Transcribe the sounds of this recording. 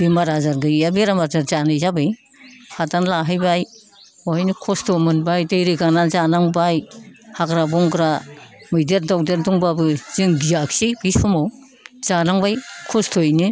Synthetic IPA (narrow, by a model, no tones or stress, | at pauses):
b̥imaɾazaɾɡɯabeɾamaɾzaɾzanɯjzabɯj | hʰatanlaɦajbaj | ɔjnɯkʰɔstʰɔmɯnbajdɯjɾiɡanazanaŋbajhaɡɾabɔŋɡɾamɯjdeɾ̚dɔk̚deɾduŋbabɯz̥ɯŋɡijaksibisumɔw | z̥anaŋbajkʰɔstʰojnɯ